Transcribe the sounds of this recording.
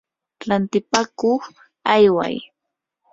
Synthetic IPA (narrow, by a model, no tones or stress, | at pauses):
ɾant̪ɪpakoχ | ajwa̰j